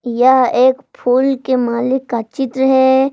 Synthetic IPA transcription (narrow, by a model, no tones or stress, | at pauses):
jaɦeːkpʰuːlkemaːlɪkːat͡ʃɪt̪ɾəɦɛ